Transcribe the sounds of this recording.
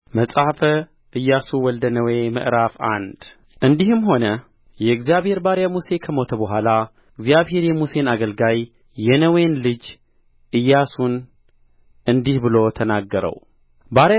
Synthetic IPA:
məsʼafə | ʔɨjːasuwɔld̪ənəwe̞mə̰ʔɾafa̰nd̪̥ | ʔɨnd̪ihɨmɦo̞nə | jɛɨɡzijaβhe̞ɾbaɾjamuse̞kʰəmo̞t̪ʰəbəɦʷala | ɨɡzijaβhe̞ɾjɛmuse̞naɡəlɡajː | ɛnəwe̞nlɨd͡ʒ | ʔɨjːasun | ʔɨnd̪ihbɨlo̞t̪ʰənaɡːəɾə̰w | baɾ

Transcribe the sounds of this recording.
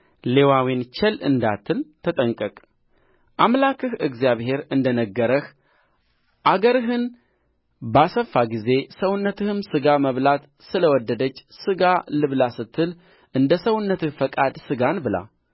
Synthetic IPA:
le̞wawint͡ʃʰɛlɨ̰nd̪a̰t̪ʰːɨlt̪ʰət̪ʼəŋkʼəkʼ | ʔamlakʰɨhɨɡzjaβhe̞ɾɨnd̪ənəɡːəɾəx | ʔaɡəɾɨɦɨn | basəfːaɡize̞səwʊnːət̪ʰɨhɨmsɨɡaməβlat̪ | sɨləwɔd̪ːəd̪ət͡ʃːsɨɡalɨβlasɨt̪ʰːɨl | ʔɨnd̪əsəwʊnːət̪ɨhfəkʼad̪sɨɡanbɨla̰

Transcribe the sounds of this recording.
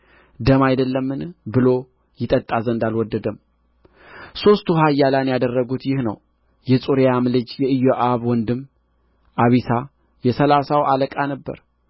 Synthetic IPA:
d̪əmajd̪əlːəmːɨnbɨlo̞ | jɪt̪ʼət̪ʼːazənd̪alwɔd̪ːəd̪əm | so̞st̪uɦajːalanjad̪ərːəɡut̪jɪhnə̰w | jɛsʼuɾjamlɨd͡ʒjɛɨjːoʔaβwɔnd̪ɨmː | ʔaβisʰa | jɛsəlasawaləkʼanəbːə̰ɾ

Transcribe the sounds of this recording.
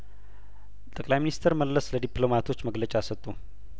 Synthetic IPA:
t̪ʼəkʼlajminist̪ʰəɾməlːəsləd̪iplo̞mat̪ʰo̞t͡ʃːməɡlət͡ʃʼasət̪ʼːu

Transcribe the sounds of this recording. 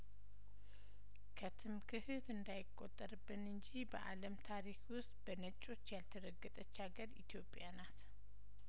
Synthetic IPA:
kʰət̪ʰɨmkʰɨhɨt̪ɨnd̪ajɪkʼːo̞t̪ʼːəɾɨbːɨnɨnd͡ʒibə̰ʔa̰ləmt̪ʰaɾikwʊst̪ʼb̥ənət͡ʃʼːo̞t͡ʃːjalt̪ʰəɾəɡːɨt̪ʼət͡ʃːaɡəɾḭt̪jo̞pʼːjanat̪

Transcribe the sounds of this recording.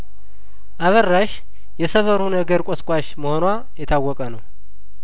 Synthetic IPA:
ʔaβərːaʃ | jɛsəβəɾunəɡəɾkʼɔskʼaʃməhonwa | jɛt̪ʰawːɔkʼənəw

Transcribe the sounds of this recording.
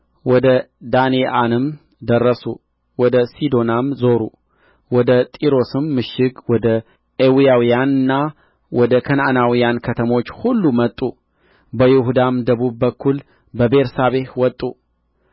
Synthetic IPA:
wɔd̪ə | d̪anjeʔanɨm | d̪ərːəsu | wɔd̪əsid̪o̞namzo̞ɾṵ | wɔd̪ət̪ʼiɾo̞sɨmːɨʃɪɡwɔd̪ə | ʔewijawijanɨnːa | wɔd̪əkʰənanawijankʰət̪ʰəmo̞t͡ʃːhulːumət̪ʼːu | bəjɪɦud̪amd̪əβubbəkʰːul | bəbe̞ɾsaβe̞hwɔt̪ʼːu

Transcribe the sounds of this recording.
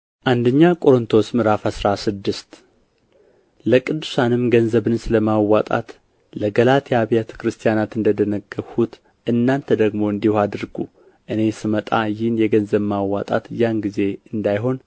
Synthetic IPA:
ʔand̪əɲːakʼo̞ɾɨnt̪ʰo̞smɨɾafhasɾasɨd̪ːɨst̪ | ləkʼɨd̪ːusanɨmɡənzəβɨnsɨləmawat̪ʼa̰t̪ | ləɡəlat̪jɛaβijat̪ʰə̥kɾɨst̪ʰijanat̪ɨnd̪əd̪ənəɡːəhut̪ | ʔɨnːant̪ʰəd̪əɡmo̞ɨnd̪ihad̪ɨɾɡu | ʔɨne̞sɨmət̪ʼajɪhnjɛɡənzəβmawːat̪ʼa̰t̪janɡize̞ɨnd̪ajɦo̞n

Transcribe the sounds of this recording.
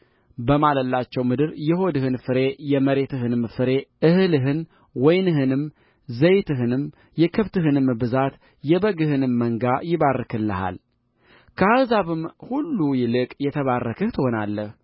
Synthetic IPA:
bəmaləlːat͡ʃːɛwmɨd̪ɨɾjɛho̞d̪ɨhɨnfɨɾe̞jɛməɾe̞t̪ɨɦɨnɨmfɨɾe̞ʔɨhɨlɨɦɨn | wɔjnɨɦɨnɨm | zəjt̪ɨɦɨnɨm | jɛkʰɨβt̪ɨɦɨnɨmbɨzat̪ | jɛbəɡɨhɨnɨmːəŋɡajɪβarːəkʰɨlːəha̰l | kʰəhazaβɨmhulːujɪlɨkʼjɛt̪ʰəβarːəkʰəht̪ʰɨho̞nalːəh

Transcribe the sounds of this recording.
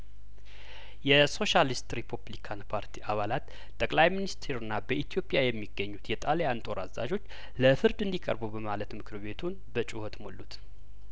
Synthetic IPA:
jɛso̞ʃalist̪ɾepʰuβlikʰanpʰaɾt̪ʰiʔaβalat̪ | t̪ʼːəkʼlajminist̪ʰeɾɨnːabəʔit̪ʰijo̞pʼjajɛmːiɡːəɲːut̪jɛt̪ʼalejant̪ʼo̞ɾa̰zːa̰d͡ʒo̞t͡ʃː | ləfɨɾd̪ɨnd̪ikʼə̰ɾbubəmalət̪mɨkʰɨɾβe̞t̪ʰun | bət͡ʃʼɪhot̪molːut̪

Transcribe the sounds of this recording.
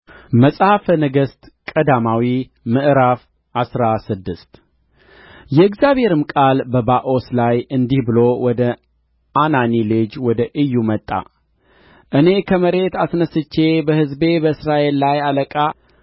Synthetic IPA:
məsʼhafənɨɡəst̪ | kʼəd̪amawi | mɨʔɨɾaf | ʔasɾasɨd̪ːɨst̪ | jɛɨɡzjaβhe̞ɾɨmkʼalbəbaʔo̞slajɨnd̪ihbɨlowɔd̪ə | ananilɨd͡ʒwɔd̪əʔɨjːumət̪ʼːa̰ | ʔɨne̞kʰəməɾe̞t̪asnəsɨt͡ʃːebəhɨzbe̞bəɨsɾaʔe̞lːajaləkʼa

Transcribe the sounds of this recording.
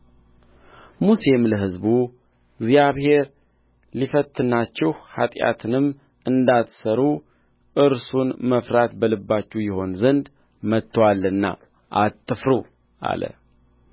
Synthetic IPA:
muse̞mləɦɨzbu | ɡzijaβhe̞ɾ | lifət̪ʰʼːɨnːat͡ʃːɛhha̰t̪ʼja̰t̪ʰɨnɨm | ʔɨnd̪at̪səɾu | ʔɨɾsunməfɾat̪bəlɨbːat͡ʃːɛjɪho̞nzənd̪ | mət̪ːwalːɨnːa̰ | ʔat̪ʼːɨfɾu | ʔa̰lə̰

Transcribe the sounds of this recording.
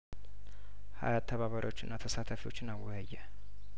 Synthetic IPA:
ha̰jat̪ʰːəβaβəɾʔot͡ʃːɪnːat̪ʰəsat̪ʰəfiwo̞t͡ʃːɪnawəjːɛ

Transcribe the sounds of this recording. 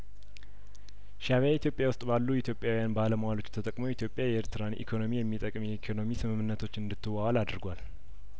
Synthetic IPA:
ʃaβait̪ʰjo̞pʼjawʊst̪ʼbalːuit̪ʰjo̞pʼjawijanbaləməwalo̞t͡ʃːt̪ʰət̪ʼəkʼmowit̪ʰjo̞pʼːjajɛeɾt̪ʰɨɾanʔḭkʰo̞no̞mijɛmːit̪ʼəkʼmjɛikʰo̞no̞misɨmɨmːɨnːət̪ʰo̞t͡ʃːɨnd̪ɨt̪ʰːɨwawalad̪ɾɡʷal

